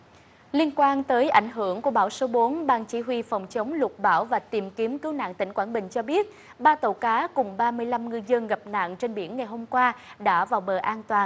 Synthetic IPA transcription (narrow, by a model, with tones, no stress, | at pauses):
li˧ənkwaː˧nt̪əː˨˦jʔa˧˩jŋ̟ɦɨ˧˩əŋku˧˩əɓaː˧˩wso˨˦ɓo˨˦nɓaː˧nt͡ɕi˧˨˦ɦwi˧fɔ˨˩wŋ͡mt͡ɕə˨˦wŋ͡mlʊ˨˩t̚ɓaː˧˩wvaː˨˩t̪i˨˩mki˨˦əmkɨ˨˦wna̰ː˧˨ŋt̪ï˧˩ŋ̟kwaː˧˩nɓï˨˩ŋ̟t͡ɕɔ˧ɓi˦˥ət̚ | ɓaː˧t̪ə˧˩wkaː˨˦kʊ˨˩ŋ͡mɓaː˧mɨ˧əjla˧mŋɨ˧əjzə˧nɣə˨˩p̚na̰˧˨ŋt͡ɕe˧nɓi˧˩ənŋa˨˩jɦo˧mkwaː˧ɗa̰ː˧˥vaː˨˩wɓəː˨˩ʔaː˧nt̪waː˨˩n